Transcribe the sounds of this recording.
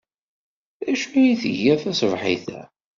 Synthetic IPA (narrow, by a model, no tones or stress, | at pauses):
æʃijiθəʝæθæsvħiθæ̰